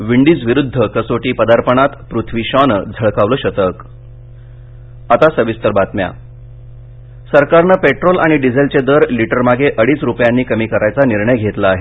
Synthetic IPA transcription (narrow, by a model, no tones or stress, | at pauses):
ʋiɳɖiːt͡sʋiɾud̪ʱːəkəsoʈiːpəd̪aɾpəɳat̪pɾut̪ʰʋiɕɔnd͡zʱəɭkaʋləːɕət̪ək | at̪asəʋist̪əɾbat̪mja̰ | səɾkaɾnəpeʈɾolʔa̰ɽ̃iɖid͡zʱelt͡ɕed̪əɾliʈəɾmaɡʱeʔəɽiːsɾupjanːiːkəmiːkəɾʔajt͡saniɾɳəjɡʱet̪laːɦe